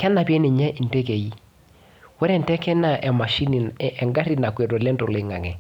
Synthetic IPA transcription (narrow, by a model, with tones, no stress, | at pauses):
kɛ˦na˨pi˦ɛ˦ne˨ɲɛ˦ʔi˨nte˦ke˨i˦ | wɛ˦ɾɛ˨ntɛ˦kɛ˦na˨ʔɛ˨ma˨ʃi˦ni˨ʔɛ˨ŋɡa˦ɾi˦na˨kwe˨to˨lɛ˦nto˨lɪ˨˦ŋa˨kɛ˨